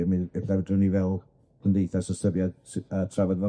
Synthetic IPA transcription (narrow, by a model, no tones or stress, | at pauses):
miɛlavdrənivɛlˠ | pʰəndejθasɔsəbjadsatʰravadva